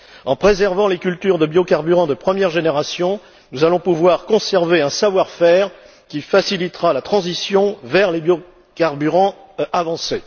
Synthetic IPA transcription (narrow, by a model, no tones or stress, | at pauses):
ɑ̃pχezɛʁvɑ̃lekʲylt̪yʁd̪əbjokaʁbyʁɑ̃d̪əpχəmjɛʁʒeneʁasjɔ̃ | nuzalɔ̃puvwaʁkɔ̃sɛʁveɛ̃savwaʁfɛʁ | kʲifasilit̪χalat̪χɑ̃zisjɔ̃vɛʁlebjo | kaʁbyʁɑ̃ | avɑ̃se